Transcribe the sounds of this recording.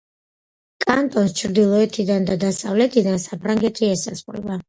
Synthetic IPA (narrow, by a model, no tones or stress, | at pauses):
kʼant̪ʼɔnst͡ʃʰɾd̪ilˠɔɛt̪ʰid̪and̪ad̪asavlɛt̪ʰid̪ansapʰɾaŋɡɛt̪ʰiɛsa̰zχʼɾɛ̰ba